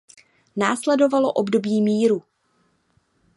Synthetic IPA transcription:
naːslɛdo̞valo̞ʔobdo̞biːmiːɾu

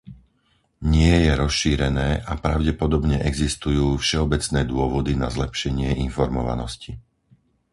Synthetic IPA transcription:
ɲɪɛjɛɾɔsʃiːɾɛnɛːʔapɾaʊɟɛpɔd̪ɔbɲɛʔɛɡzist̪ujuːfʃɛɔbɛt͡snɛːd̪ʊɔʋɔd̪inazlɛpʃɛɲɪɛʔinfɔɾmɔʋa̰nɔ̰sci

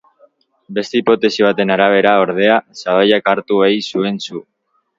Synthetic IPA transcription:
be̞st̪e̞ipo̞t̪e̞siβ̞at̪e̞naɾaβ̞e̞ɾao̞ɾð̞e̞asaβajakaɾt̪uejsue̞nsu

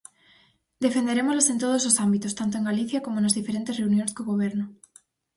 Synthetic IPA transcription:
d̪efe̞nd̪e̞ɾemozlesent̪̬oð̞oslosambit̪ost̪ant̪oe̞ŋɡaliθjakomonazðifeɾent̪ereunjoneskoɣoβ̞eɾno

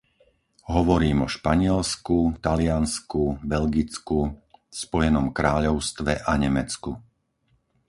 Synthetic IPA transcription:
ɦɔʋɔɾiːmɔʃpaɲɪɛlskut̪alɪanskubɛʎɡit͡skuspɔjɛnɔmkɾaːʎɔʊst̪ʋɛʔaɲɛmɛt͡sku

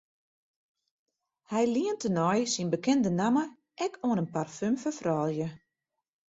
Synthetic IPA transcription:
hɛjliəntənɔjsinbəkɛndənamə | ʔɛkʰoənənparfymfəfrɔːlˠjə

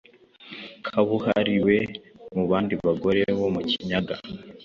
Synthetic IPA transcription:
kʰaβuhaɾiwe̞muβaːndiβaɡo̞ɾe̞βo̞muci̥ɲaɡa̰

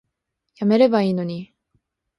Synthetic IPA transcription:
jame̞ɾe̞baiːno̞ɲ̟i

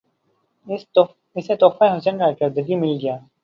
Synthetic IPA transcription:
ɪset̪ɔːfaɦʊsənɾakɐɾd̪əɡimɪlɡɐjaː

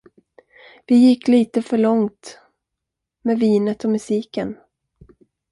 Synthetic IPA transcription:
vɪjɪkːliːt̪əfœɭɔŋt̪ | meːviːnət̪ɔmɵsiːkən

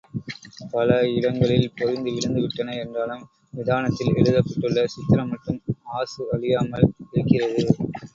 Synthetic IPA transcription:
pɐlɐɪɽɐŋɡɐɭɪlpɔɾɪnd̪ɯʋɪɻɯnd̪ɯʋɪʈːɐnɐɛndraːlɯm | ʋɪðaːnɐt̪ːɪlɛ̰ɻɯðɐpːɐʈːɯɭːɐsɪt̪ːɪɾɐmːɐʈːrɯmaːsɯɐɭɪjaːmɐlɪɾɯkːɪrɐðɯ

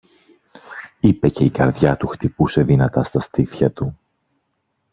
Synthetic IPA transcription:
ipe̞ce̞ikɐɾðʝɐt̪uxt̪ipuse̞ðinɐt̪ɐst̪ɐst̪iθçɐt̪u

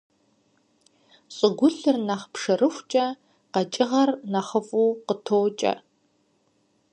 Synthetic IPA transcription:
ɕʼɨɡʷʊɬɨrnɐχpʂɨrɨxʷt͡ʃʼɐ | qɐt͡ʃʼɪʁɐrnɐχəfʼuːqətʰoːt͡ʃʼɐ̰

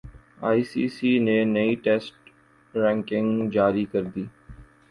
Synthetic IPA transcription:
a̰ːiːsiːsiːneneiːʈeːsʈ | ɾɛ̃ːŋkɪ̃ŋɡd͡ʒaːɾikəɾd̪iː

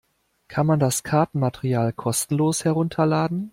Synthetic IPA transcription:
kʰanmandaskʰaɐtn̩matʰeʁiaːlkʰɔstn̩loːshɛɐʁʊntʰɐlaːdn̩

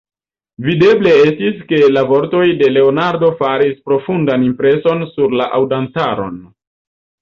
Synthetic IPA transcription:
vide̞ble̞e̞stiske̞lavo̞ɾto̞jde̞le̞onaɾdo̞faɾispɾo̞fundanimpɾe̞so̞nsuɾlaʔawdantaɾo̞̰n

